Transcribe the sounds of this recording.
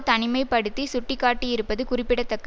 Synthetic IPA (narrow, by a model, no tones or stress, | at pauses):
t̪ɐɳɪmɐɪpɐɽɯt̪ːisʊʈːɪkːaːʈːijɪɾɯpːɐðɯkʊrɪpːɪɽɐt̪ːɐkːɐ